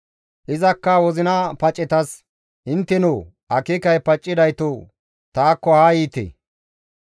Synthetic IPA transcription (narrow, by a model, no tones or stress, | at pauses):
ʔɪzɐkːɐwɔzɪnɐpɐt͡ʃʼːɛt̪ɐs | ʔɪnt̪ːɛnʊː | ʔɐkːɪkɐjpɐt͡ʃʼːɪd̪ɐjt̪o | t̪aːkːɔhaːjiːt̪ḛː